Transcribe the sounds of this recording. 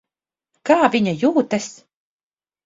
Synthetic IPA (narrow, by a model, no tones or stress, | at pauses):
kaːvʲiɲajuːt̪ɐs